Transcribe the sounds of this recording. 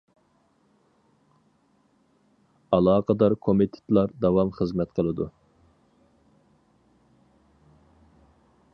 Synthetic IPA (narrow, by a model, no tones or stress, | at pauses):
ɑlˠɑːqʰəd̪ɑɾkʰomɪt̪ʰe̥t̪lˠɑɾd̪ɑwɑmχəzmɛt̪qʰəlˠɨd̪u